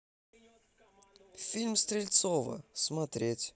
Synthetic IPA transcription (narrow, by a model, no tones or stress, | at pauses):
fʲilʲmst̪ɾʲɪlʲt̪sovə̰smɐt̪ɾʲetʲ